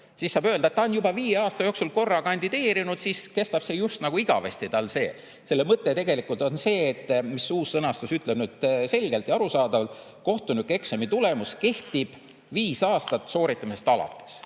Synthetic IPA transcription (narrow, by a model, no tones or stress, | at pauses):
sisːɑːbøld̪ɑet̪ːɑonjubɑviːjeɑːst̪ɑjo̞ːksulko̞rːɑkɑnʲd̪id̪e̞ːɾinud̪siske̞st̪ɑb̥se̞just̪nɑɡ̥uiɡ̥ɑ̰vest̪it̪ɑlse̞̰ː | se̞lːe̞mɤt̪ːˑe̞t̪e̞ɡe̞likːˑult̪o̞nse̞ːt̪ːˑmisuːsːɤnɑst̪usyt̪ˑleb̥nyd̪̥se̞lʲɡ̥e̞lt̪jɑɾusɑːd̪ɑvɑlt̪ˑ | ko̞ht̪unykːˑe̞ksemit̪ule̞muske̞ht̪ib̥ | viːsɑːst̪ɑt̪ːso̞ːɾit̪ːˑɑmisest̪ɑlɑ̰t̪ːˑe̥s